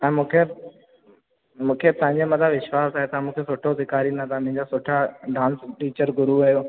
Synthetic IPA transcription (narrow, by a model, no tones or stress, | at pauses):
ɛ̃ːmũːkʰe | mũːkʰet̪ɐ̃ɦɪ̃ɲd͡ʑemɐt̪ʰabʋɪʃwaːsaːɦet̪ʰamũːkʰesʊʈʰosɪkaːɾinɐt̪ʰamʊ̃ɦɪ̃ɲd͡ʑasʊʈʰaɖãːnsʈiːt͡ɕəɾɡʱʊɾuʋɐjo